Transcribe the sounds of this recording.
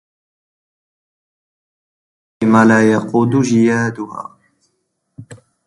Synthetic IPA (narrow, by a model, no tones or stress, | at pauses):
imaːlaːjaquːd̪uʒijaːd̪uha̰ː